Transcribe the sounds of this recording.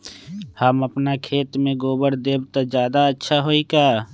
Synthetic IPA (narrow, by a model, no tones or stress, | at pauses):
həməpnakʰeːt̪mẽɡoːbəɽd̪eːbt̪ad͡ʒjaːd̪aətːʃʰaɦoːikaː